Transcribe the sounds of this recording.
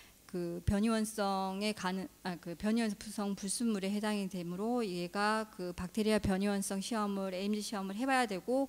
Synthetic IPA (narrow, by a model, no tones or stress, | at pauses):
kɯpjʌɲiwʌns͈ʌŋe̞kanɯakɯpjʌɲiwʌnsʰpusʰʌŋpuɭs͈umːuɾe̞ɦe̞daŋedemuɾoiɡe̞ɡakɯpak̚tʰeɾiapjʌɲiwʌns͈ʌŋɕʰiʌmɯɾeimd͡ʑiɕʰiʌmɯɭɦe̞bajadwe̞ɡo